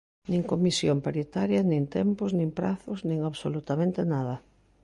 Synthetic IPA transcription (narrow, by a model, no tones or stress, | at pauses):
nĩŋkomisjompaɾit̪aɾjɐnĩnt̪ɛmpʊznĩŋpɾaθʊznĩŋaβsolut̪amẽnt̪enaðɐ